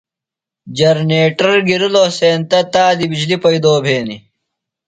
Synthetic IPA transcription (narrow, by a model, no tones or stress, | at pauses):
d͡ʑɐɾneːʈɐɾɡiɾiloːseːnt̪ɐt̪aːd̪ibid͡ʑlipɐjd̪oːbʱeːni